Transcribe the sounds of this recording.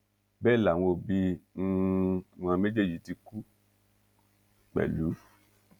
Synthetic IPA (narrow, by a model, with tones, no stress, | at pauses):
bɛ˦˨la˨w̃o˧˨bi˧˦˧ | wã˧me˦d͡ʒe˦˨ji˨˦ti˧ku˦ | k͡pɛ̰˨lu˨˦